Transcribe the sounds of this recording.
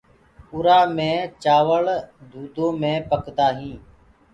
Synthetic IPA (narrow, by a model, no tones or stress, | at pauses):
ʊɾaːmẽːt͡ʃaːʋəɭd̪ʱuːd̪õːmẽːpəkd̪aːɦĩː